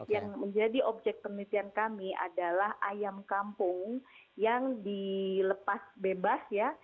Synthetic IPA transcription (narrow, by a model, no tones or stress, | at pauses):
jaŋməɲd͡ʒadiʔɔb̚d͡ʒɛk̚t̪̚pərnit̪iankamia̰dalahʔajamkampʊŋjaŋdiləpasbebasja